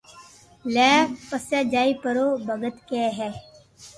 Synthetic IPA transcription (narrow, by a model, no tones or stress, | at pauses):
lɛːpəsjaːd͡ʒaːipəɾoːbəɡət̪keːɦɛː